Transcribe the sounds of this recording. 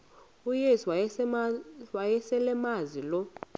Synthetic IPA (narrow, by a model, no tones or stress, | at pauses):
ujeswa | wajɛsɛlɛmazilɔ